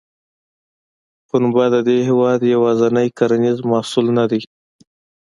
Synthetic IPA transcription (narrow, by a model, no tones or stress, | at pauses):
xʊnbɑd̪əd̪eɦɪwɑd̪jawɑzanəjkaɾanizmɑsulnad̪e